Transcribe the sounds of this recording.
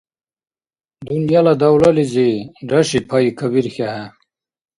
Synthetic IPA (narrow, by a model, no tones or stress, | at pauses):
d̪unjalad̪awlaliziɖaɕipʰaikʰɐβiɾxaɦa